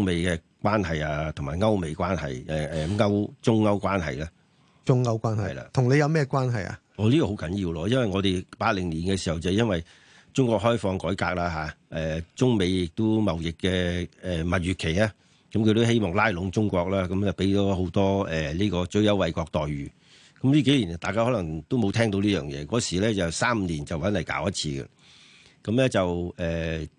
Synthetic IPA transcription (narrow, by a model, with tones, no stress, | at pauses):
ʊ˥ŋme˨˧jkɛː˧ | kwaː˥nɦɐ˨jaː˧t̪ʰʊ˨˩ŋmaː˨˩jŋɐ˥wme˨˧jkwaː˥nɦɐ̰˨jɛ˨˩ɛ˨ŋɐ˥wt͡sʊ˥ŋːɐ˥wkwaː˥nɦɐ̰˨jlaː˥ | t͡sʊ˥ŋɐ˥wkʷaː˥nɦɐ̰˨jla̰ː˧t̪ʰʊ˨˩ŋne˨˧jɐ˨˧wmɛː˥kʷaː˥nɦɐ˨˩ja̰˨ | ɔː˨˧liː˥kɔː˧ho˨˥wkɐ˨˥njiː˧wlɔː˧jɐ˥nwɐ˨jŋɔː˨˧d̪e˨jpaː˧t̚lɪ˨˩ŋliː˨˩nkɛ˧siː˨˩hɐ˨wt͡sɐ˨ɛ˧jɐ˥nwɐ˨j | t͡sʊ˥ŋkʷɔː˧k̚ɦɔː˥jfɔː˧ŋkɔː˨˥jkaː˧k̚laː˧ɦaː˨˦ʔɛː˨˩t͡sʊ˥ŋme˨˧jjɪ˨k̚t̪ʊ˥mɐ˨wjɪ˨kːɛː˧ɛ˨mɐ˨˩t̚ɥyː˨˩tkʰe˨˩jaː˦˥ | kɐ˨˥mkʰɵ˧t̪o˥ɦe˥jmɔː˨ŋlaː˥jlʊ˨˧˥ŋt͡sʊ˥ŋkʷɔː˧k̚laː˥kɐ˨˦mt͡sɐ˨˩wpe˨˥jt̪ɔː˨˥ɦo˨˧˥wt̪ɔː˥ɛ˨˩liː˥kɔː˧t͡ʃɵ˨˥ɥjɐ˨˥wɐ˨jkɔː˧k̚t̪ɔː˨jɥyː˨˩ | kɐ˨˦mliː˥ke˨˥jliː˨˩n˨t̪aː˨kaː˥hɔ˨˥lɐ˨˩ŋt̪o˥wmo˨˧wt̪ʰɛː˥ŋt̪o˧wliː˥jœː˨˩ŋjɛ̰ː˨˧kɔː˨˥siː˨˩lɛː˥t͡sɐ˨wsaː˥m̩ː˨˧liː˨˩nt͡sɐ˨wɐ˨˥nlɐ˨˩jka̰ː˨˥wjɐ˥t̚t͡sʰiː˧ɡɛ̰˧ | kɐ˨˦mlɛ˥t͡sɐ˨wɛː˨˩